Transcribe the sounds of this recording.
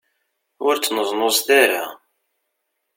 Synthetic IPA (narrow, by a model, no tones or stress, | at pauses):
ʊɾt͡sːnəzˤnosθaɾa̰